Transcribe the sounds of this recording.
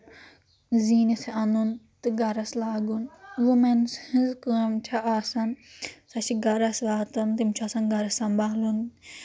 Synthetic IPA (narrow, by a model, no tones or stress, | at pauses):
ziːniseɐnunt̪ɨɡɐɾɐslaːɡunʋumenshĩzkɨɐmt͡ʃʰaaːsɐnsɐt͡ʃʰiɡɐɾɐsʋaːt̪ɐnt̪imt͡ʃʰaːsɐnɡɐɾɐsɐmbaːlun